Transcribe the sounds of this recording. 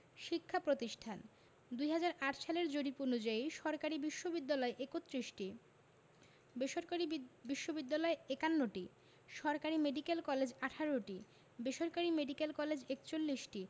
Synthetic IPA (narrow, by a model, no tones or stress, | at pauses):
ʃikʰːapɾot̪iʃʈʰan | d̪ujɦad͡ʑaɾaʈʰʃaleɾd͡ʑoɽiponud͡ʑaiʃɔɾkaɾibiʃːobid̪ːalɔeʔekot̪ːɾiʃʈi | beʃoɾkaɾibiʃːobid̪ːalɔeekanːoʈi | ʃɔɾkaɾimeɖikelkɔled͡ʑaʈʰaɾoʈi | beʃoɾkaɾimeɖikelkɔled͡ʑekt͡ɕolːiʃʈi